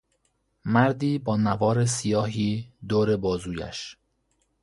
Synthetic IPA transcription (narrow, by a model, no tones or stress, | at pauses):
mæɾd̪iːbɒːnævɒːɾesijɒːɦiːd̪oːɾe̞bɒːzuːjæ̰ʃ